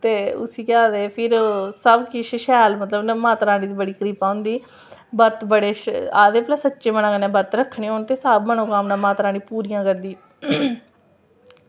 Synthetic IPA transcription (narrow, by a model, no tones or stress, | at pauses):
t̪eːʊ̰siːkaːd̪eːpʰɪɾsəbkɪʃʃɛːlmət̪ləbnmãːt̪ɾãːɽiːd̪iːbəɽiːkəɾiːpãːʊ̃nd̪iː | bəɾt̪bəɽeːaːd̪eːplaːsətːʃeːmənãːkənɛ̃ːbəɾt̪ɾəkʰːɳiːoːnt̪eːsaːbmənõːkaːmnãːmãːt̪ɾaːɽiːpuːɾijãːkəɾd̪iː